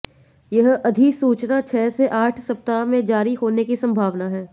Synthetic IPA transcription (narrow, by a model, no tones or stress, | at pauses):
jɐɦɐd̪ʱisuːt͡ʃnat͡ʃʰɛːseʔaːʈʰsɐp̚t̪amẽd͡ʒaːɾiɦoːnekisɐ̃mbʱaːʋnaɦɛː